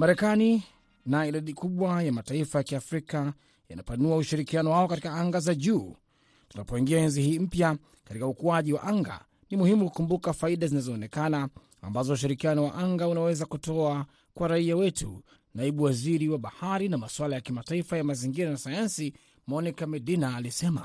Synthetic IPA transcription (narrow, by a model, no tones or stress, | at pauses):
maɾɛkani | naiɗaɗikuɓwajamataifajakiafɾika | ja̰napanuauʃiɾikianɔwaɔkatikaaŋɡazaʄuː | tunapɔiŋɡiaɛnzihiːm̩pja | katikaukuaʄiwa̰ʔaŋɡa̰ | nimuhimuku̥kumbukafaiɗazinazɔːnɛkana̰ː | mbazɔuʃ̬iɾikianɔwa̰ʔaŋɡaunawɛzakutɔa | kwaɾaiawɛtṵ | naiɓuwaziɾiwaɓahaɾinamaswalajakimataifajamaziŋɡiɾanasajansi | mɔnikamɛɗinaːlisɛma̰